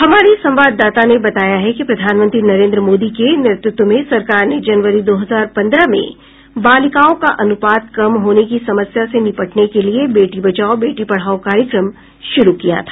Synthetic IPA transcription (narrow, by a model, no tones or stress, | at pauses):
hɐmaːɾisɐ̃mʋaːd̪ːaːt̪anebɐt̪aːjaɦɛkipɾɐd̪ʱaːnmə̃nt̪ɾinɐɾẽːnd̪ɾəmoːd̪ikenɪɾɪt̪ɾʊt̪wəmẽsɐɾkaːɾned͡ʒɐnʋəɾid̪oːɦɐzaːɾpɐ̃nd̪ɾəmḛ̃ | baːlɪkaːõkaʔɐnʊpaːt̪̚kɐmɦoːnekisɐməsjasenɪpəʈnekeliebeːʈibɐt͡ʃaːobeːʈipɐɽ̤aːokaːɾjəkɾəm | ʃʊɾukija̰t̪ʰḁː